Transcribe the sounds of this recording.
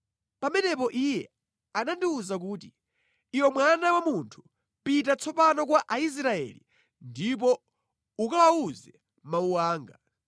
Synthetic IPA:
pamɛnɛpɔʔijɛ | anandiuzak̬uːti | iwɔmwanawamuntʰu̥ | pitat͡sʰɔpanɔk̬waʔais̬ɾaɛ̰lḭ | ndip̬ɔ | ukaawuzɛ | mauwaːŋɡa

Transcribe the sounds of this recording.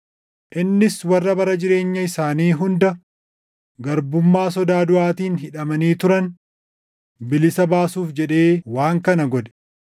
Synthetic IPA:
ʔɪnːɪswɐrːɐbɐɾɐd͡ʒɪɾe̞ːɲːɐɪsaːniːɦʊnd̪ɐ | ɡɐɾbʊmːaːsɔd̪aːd̪ʊʔaːt̪iːnɦɪᶑɐmɐniːt̪ʊɾɐn | bɪlɪsɐbaːsuːfd͡ʒɛᶑeːwaːŋkɐnɐɡɔd̪ɛ̥

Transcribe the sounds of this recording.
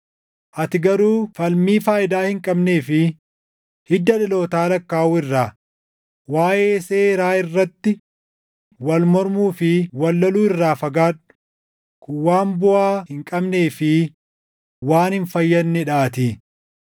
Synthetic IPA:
ʔɐt̪ɪɡɐɾuːfɐlmiːfaːʔɪd̪aːhɪŋkʼɐbne̞ːfɪ | hɪd̪ːɐᶑɪlo̞ːt̪aːlɐkːaːʔuːɪrːaː | waːʔeːseːɾaːɪrːɐt̪ːɪ | wɐlmɔɾmuːfɪwɐlːɐluːɪrːaːfɐɡaːᶑʊ̥ | kʊwaːmbʊaːhɪŋkʼɐbne̞ːfɪ | waːnhɪnfɐjːɐnːɪᶑaːt̪ɪ

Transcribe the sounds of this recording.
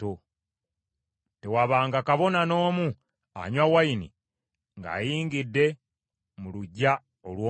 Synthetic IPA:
o | te̞waβaːŋɡakaβo̞nano̞ːmu | a̰ɲwawainḭ | ŋɡa̰ːjiːŋɡidːe̞ | muluɟːa | olwoː

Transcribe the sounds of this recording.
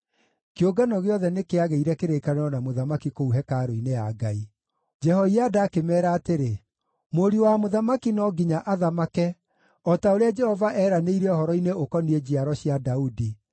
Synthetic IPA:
keoɡanɔɣeɔðɛnekeaɣeiɾɛkeɾekaneɾɔnamoðamakikouɦɛkaɾoinejaɡai | d͡ʒɛhɔiadaːkemɛːɾaːteɾe | moɾiwamoðamakinɔɡiɲaʔaðamakɛ | ɔtaoɾead͡ʒɛhɔvaʔɛːɾaneiɾɛɔhɔɾɔineokɔnied͡ʑiaɾɔɕiadaudi

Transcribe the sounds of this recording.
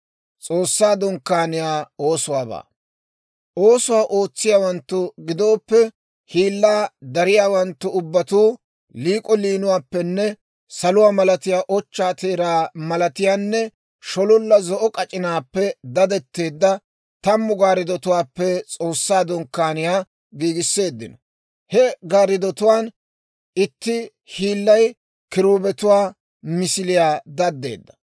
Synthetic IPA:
t͡sʼo̞ːsːaːd̪ɔŋkːaːnɪjaːoːsʊwaːba̰ː | ʔoːsʊwaːʔoːt͡sːɪjaːwɐnt̪ːʊɡɪd̪o̞ːpːɛ | hiːlːaːd̪ɐɾɪjaːwɐnt̪ːʊʊbːɐt̪uː | liːkʼɔliːnʊwaːpːɛnːɛ | sɐlʊwaːmɐlɐt̪ɪjaːʔɔt͡ʃːaːt̪eːɾaːmɐlɐt̪ɪjaːnːɛ | ʃɔlʊlːɐzɔʔɔkʼɐt͡ʃʼɪnaːpːɛd̪ɐd̪ɛt̪ːe̞ːd̪ːɐ | t̪ɐmːʊɡaːɾɪd̪ɔt̪ʊwaːpːɛt͡sʼo̞ːsːaːd̪ɔŋkːaːnɪjaː | ɡiːɡɪsːe̞ːd̪ːɪnɔ | hɛɡaːɾɪd̪ɔt̪ʊwaːn | ɪt̪ːɪ | hiːlːɐj | kɪɾuːbɛt̪ʊwaː | mɪsɪlɪjaːd̪ɐd̪ːḛːd̪ːɐ̥

